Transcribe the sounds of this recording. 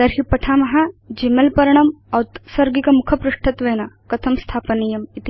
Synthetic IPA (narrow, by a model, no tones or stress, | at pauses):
d̪ɐɾɦipɐʈʰaːmɐɦad͡ʒimɐlpɐɾɐɳ̃ɐmɐːt̪sɐɾɡikɐmukʰɐpɾuʂʈʰɐt̪ʋeːnakɐt̪ʰɐmst̪ʰaːpɐnijɐmit̪i